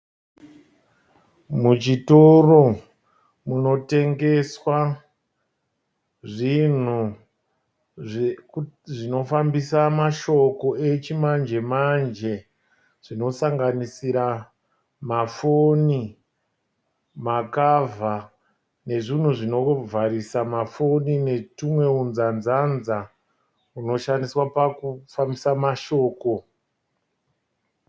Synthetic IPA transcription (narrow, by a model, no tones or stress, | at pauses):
mut͡ʃitoro̞ | muno̞te̞ŋɡe̞swa | ʐin̤u | ʐino̞fambisamaʃo̞ko̞e̞t͡ʃimand͡ʒe̞mand͡ʒe̞ | ʐ̥ino̞saŋɡanisiɾa | mafoni | makavʱa | ne̞ʐin̤uʐino̞vʱaɾisamafonine̞tumwe̞unzanzanza | uno̞ʃandiswapakufambisamaʃo̞ːko̞